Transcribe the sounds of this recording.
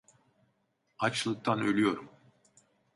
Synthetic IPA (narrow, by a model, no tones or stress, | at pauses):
at͡ʃlˠɯk̚t̪ʰanølʲyjo̞ɾum